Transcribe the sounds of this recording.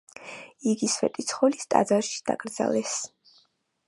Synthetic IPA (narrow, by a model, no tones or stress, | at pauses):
iɡisvɛ̰t̪ʼit̪sʰχɔlist̪ʼa̰d̪zaɾʃi̥d̪̥a̰kʼɾd̪za̰lɛs